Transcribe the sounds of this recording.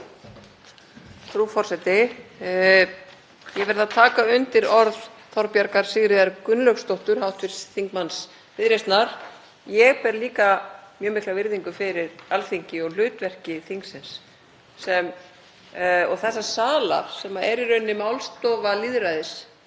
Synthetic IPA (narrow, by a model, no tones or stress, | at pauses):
θɾufɔr̥sɛt̪ɪ | jɛvɛɾðaðt̪ʰaːkaʏnt̪ɪɾɔɾðθɔɾpjaɾkaɾ̥sɪɣɾɪðaɾkʏnlœkst̪owht̪ʏɾ̥hawht̪vɪɾsθiŋkmans | vɪðɾejst̪naɾ̥ | jɛɣpɛɾliːkamjœːmɪhklavɪɾðiŋkʏfɪɾɪɾalθiɲcɪɔɣl̥ʏːt̪vɛr̥cɪθiŋksɪnsː | ɛm | ɔɣθɛsːasaːla̰ɾ̥sɛmaɛɾiɾʏnːɪmawlst̪ɔːvaliðɾaːjðɪs